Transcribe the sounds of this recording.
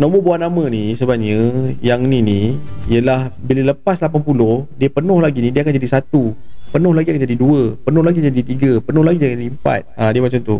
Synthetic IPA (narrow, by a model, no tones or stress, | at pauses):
nõmubuaʔnamə̃nisəbap̚ɲəjaŋniniijəlahbilələpaslapanpulʊhdiəpənʊhlaɡinidiəakand͡ʒadisat̪upənʊhlaɡiakand͡ʒadiduəpənʊhlaɡid͡ʒadit̪iɡəpənʊhlaɡiakanimpa̰t̪̚adiəmat͡ʃamt̪ṵ